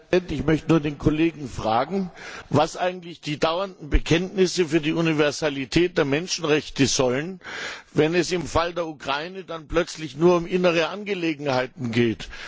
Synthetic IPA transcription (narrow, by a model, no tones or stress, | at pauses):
ɛntɪçmœçtənuːɐdeːnkʰoleːɡŋ̩fʁ̥a̰ːɡŋ̩vasʔaɪɡŋ̩tlɪçd̥iːdaʊɐndn̩bəkʰɛntnɪsəfyːɐdiːʔunivɛɐzalitʰɛːt̚d̥eːɐmɛnʃn̩ʁɛçtəzɔlənvɛnɛsɪmfaldeːɐukʁ̥aɪnədanplœt͡slɪçnuːɐʊmʔɪnəʁ̞əʔanɡəleːɡŋ̩haɪtn̩ɡeːt